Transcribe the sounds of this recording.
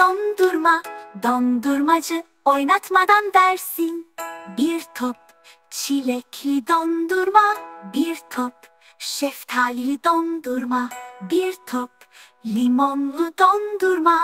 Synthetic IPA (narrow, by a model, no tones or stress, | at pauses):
ɔnd̪uɾmad̪ɔnd̪uɾmad͡ʒɨ | ɔjnat̪ʰmad̪and̪ɛɾsinbiɾt̪ʰɔp̚ | t͡ɕʰilekʰid̪ɔnd̪uɾmabiɾt̪ʰɔp̚ | ʃeft̪ʰalid̪ɔnd̪uɾmabiɾt̪ʰɔp̚ | limɔmɦɯd̪ɔnd̪uɾma